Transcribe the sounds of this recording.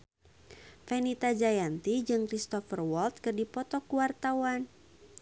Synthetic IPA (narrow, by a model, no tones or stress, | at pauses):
fɛnit̪ad͡ʒajant̪id͡ʒɨŋkɾist̪ɔfərwɔlt̪̚kɨrdipɔt̪ɔkuwart̪awan